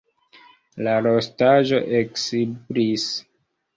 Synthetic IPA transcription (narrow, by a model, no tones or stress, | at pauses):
laɾostaʒo̞ʔeksibɾis